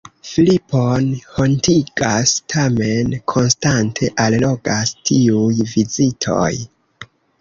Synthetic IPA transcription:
filiponho̞ntiɡastʰame̞nkʰo̞nstantʰe̞ʔallo̞ɡastʰiujvizitʰo̞̰j

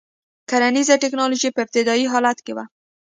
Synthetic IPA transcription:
kaɾanizaʈɪknɑloʒipəɪp̚t̪ɪd̪ɑiɦɑlat̪kewa

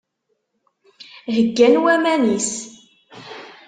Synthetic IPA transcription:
ɦəɡːænwæmænis

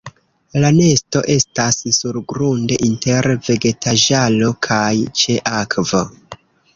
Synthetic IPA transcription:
lane̞sto̞ʔe̞stassuɾɡɾunde̞ʔinte̞ɾve̞ɡe̞tʰaʒalo̞kʰajt͡ʃe̞ʔakvo

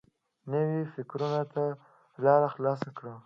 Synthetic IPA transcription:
nəwifɪkɾunat̪a | lɑɾaxlɑsakɽa

